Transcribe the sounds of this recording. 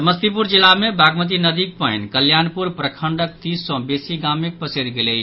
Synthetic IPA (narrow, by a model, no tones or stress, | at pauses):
məst̪ipuɾd͡ʒilamebʱaɡmət̪̬inəd̪ik̚pəjnkəljanpuɾpɾəkʰəɳɖək̚t̪issɔ̃besiɡamek̚pəseɾɡeləɪt͡ʃ